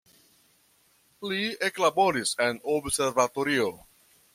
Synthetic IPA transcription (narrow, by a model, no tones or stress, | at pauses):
lieklabo̞ɾise̞nobse̞ɾvatoɾio